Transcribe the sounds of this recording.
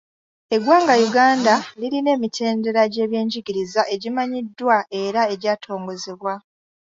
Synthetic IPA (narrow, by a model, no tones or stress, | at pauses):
e̞ɡwaːŋɡajuɡaːndaliline̞ːmitʰe̞ːnde̞ɾaɟe̞ːβje̞ːɲɟiɡiɾizaʔe̞ɟimaɲidːwae̞ɾae̞ɟaːtʰo̞ːŋɡo̞zeβwa